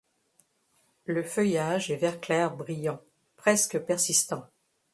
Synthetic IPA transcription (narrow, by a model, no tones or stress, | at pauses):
ləfœjaʒɛvɛʁklɛʁbʁijɑ̃ | pχɛskəpɛʁsist̪ɑ̃